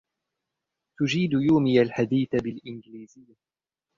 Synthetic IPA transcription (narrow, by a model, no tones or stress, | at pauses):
t̪ʊd͡ʒiːd̪juːmɪjalħad̪iːθabɪlʔɪnɡɪliːzɪjːa